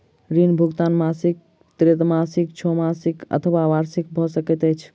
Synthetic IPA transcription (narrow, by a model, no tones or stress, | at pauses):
ɾinbʱuɡt̪anmasik̚ | t̪ɾet̪masik̚t͡ʃʰomasikə̰t̪ʰwaʋaɾsik̚bʱɔsəkɛt̪ət͡ʃʰ